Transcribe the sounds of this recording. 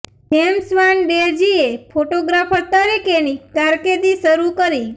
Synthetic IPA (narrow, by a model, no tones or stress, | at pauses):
ɦemsʋanɖed͡ʒiepʰoʈoɡɾapʰəɾt̪əɾikenikaɾket̪iʃəɾukəɾi